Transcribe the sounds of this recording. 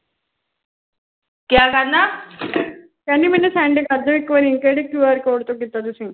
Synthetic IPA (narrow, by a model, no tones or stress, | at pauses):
kjaːkana | k̪anːimɛnesɛ̃ɳɖekɐɾd̪oikːʋəɾĩːkeɽekjuəɾkoːɽt̪okit̪at̪̬usĩː